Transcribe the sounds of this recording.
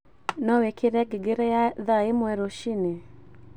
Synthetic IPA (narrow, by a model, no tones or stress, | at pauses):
nɔwekʰeɾɛɡeɡeɾɛjaðaemwɛɾoʃine